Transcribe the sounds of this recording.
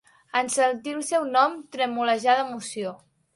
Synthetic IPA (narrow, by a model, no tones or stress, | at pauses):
ənsənt̪ilˠsɛwnɔmt̪ɾəmuləʒaðəmusio